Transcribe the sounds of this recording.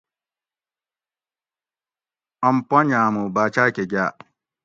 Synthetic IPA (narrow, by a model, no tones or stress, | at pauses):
ɔmpɔɲãmubaːt͡ʃakɛɡa